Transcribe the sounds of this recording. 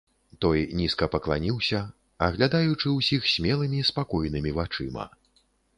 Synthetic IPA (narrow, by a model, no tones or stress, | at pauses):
t̪ɔjnʲiskɐpɐklˠanʲiwsʲɐ | ɐɣlʲad̪ajut͡ʂɨwsʲixsʲmʲɛlˠɨmʲispakɔjnɨmʲivat͡ʂɨmɐ̰